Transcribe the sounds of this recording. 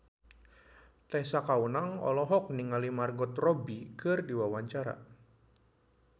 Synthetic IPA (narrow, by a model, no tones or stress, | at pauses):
t̪ɛsakaunaŋɔ̰lɔɦɔk̚niŋalimarɡɔt̪rɔbikɨrdiwawaɲt͡ʃaɾa̰